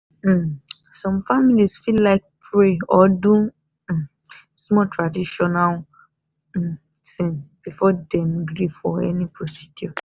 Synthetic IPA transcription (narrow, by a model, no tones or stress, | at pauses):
sɔ̃mfamilisfillaɪk̚pʰɹeɔdũ | smɔtʰɹadiʃɔnal̩ | θĩnb̥ifɔdɛ̃mɡɾifɔɛ̰nipʰɹosi̥djɔ